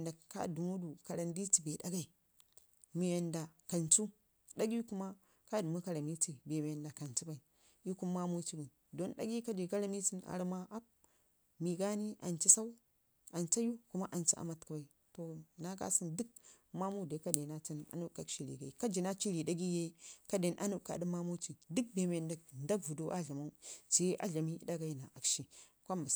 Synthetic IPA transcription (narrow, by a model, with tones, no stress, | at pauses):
nda˨ka̰˦du˨mu˦du˨ka˨ɾa˨ndi˦ti˨be˨da˦ɡa˦˨i˨ | mi˨ja˨nda˨ka˨nt͡su˦ | da˦ɡi˦ku˦ma˦ | ka˦du˨mu˦ka˨ɾa˨mi˦ti˨be˨mi˨ja˨nda˨ka˨nt͡su˦ba˨i˨ | ji˦ku˦m˦ma˦mu˦t͡ʃi˦ɡi˨ | do˦nɗa̰˦ɡi˦ka˦de˨ɡa˦ɾa˦mi˦ti˦na̰˨ɾma˦ʔa˦p̚ | mi˨ɡa˦ni˦ʔa˨nt͡ʃi˦sa˦u˦ | a˨nt͡ʃa˦ju˦ku˦ma˦ʔa˨nt͡ʃa̰˨ʔa̰˨ma˦tku˦ba˨i˨ | to˨na˦ɡa̰˦si˦ndu˦k̚ | ma˦mu˦de˨˦ka˦de˨na˦ti˦na̰˨nu˦ka˨˦kʃi˦ɾḭ˨ɡa˨i˨ka˦d͡ʒi˨na˦t͡ʃi˦ɾi˨da˦ɡi˦je˦i˦ka˦de˨nʔa̰˦nu˦˨ka̰˨di˦ma˦mu˦t͡ʃi˨du˦k̚be˨me˨da˨knda˦kvu˨do˦ʔa˦ɮa˨ma˦t͡ʃi˦ʔa̰˦ɮa˨mi˦da˦ɡa˦i˦na˨ʔa˨kʃi˨ | kʷa˦mba˨s